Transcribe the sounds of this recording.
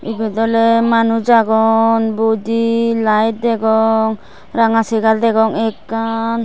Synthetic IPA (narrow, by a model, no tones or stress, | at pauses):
ibɛd̪ɔlɛmanud͡ʒaɡɔnbud͡ʒilajt̪̚d̪ɛɡɔŋ | ɾaŋasɛɡald̪ɛɡɔŋɛkːan